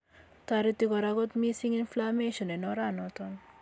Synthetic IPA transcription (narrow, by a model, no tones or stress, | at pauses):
t̪aɾit̪ikɔɾaɡɔt̪misiŋinflameʃɔnɛnɔɾanɔt̪ɔn